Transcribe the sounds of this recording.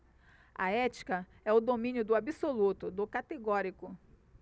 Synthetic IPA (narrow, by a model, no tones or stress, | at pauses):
ɐ̰ɛt͡ʃi̥kɐ | ɛʊd̪omĩnjʊd̪ʊabisolut̪ʊd̪ʊkat̪eɡɔɾikʊ